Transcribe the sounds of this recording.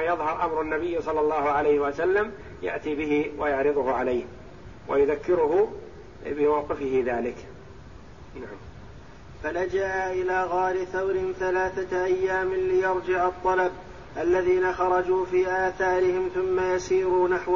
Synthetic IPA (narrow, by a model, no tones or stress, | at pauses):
ajɑðˤhɑɾˤʔamɾanːabɪjːsˤɑlːɑlːɑːhʊʕalajhɪwasalːam | ja̰ʔt̪ibɪhɪwajɑʕɾɨðˤʊhʊʕalajh | wa̰jʊðakːɪɾʊɦʊ | bɪwɑːt̪ˤɪfɪhɪðaːlɪk | naʕam | falad͡ʒaʔaʔɪlaːɣaːɾɪθawɾɪnθalaːθaʔajːaːmɪlɪjɑɾˤd͡ʒɪʕɑt̪ˤːɑlab | ʔalːaðiːnaxɑɾˤɑd͡ʒuːfiːʔaːθaːɾɪhɪmθʊmːajasiːɾuːnaħw